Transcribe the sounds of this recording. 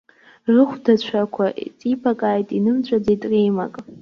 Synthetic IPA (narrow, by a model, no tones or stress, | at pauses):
rɨχʷdat͡ɕʷʰakʷʰat͡sʼipʰakʼaːjtʼinɨmt͡ɕʷʼad͡zejtʼrejma̰kʼ